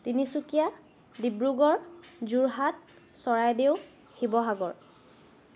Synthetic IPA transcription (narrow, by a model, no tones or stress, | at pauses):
tinisukija | dibɹuɡɔɹzuɹɦat̚ | sɔɹajdeʊ | xibɔɦaɡɔɹ